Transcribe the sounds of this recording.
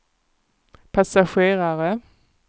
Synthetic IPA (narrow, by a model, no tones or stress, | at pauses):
pʰasaɧeːʁaɾə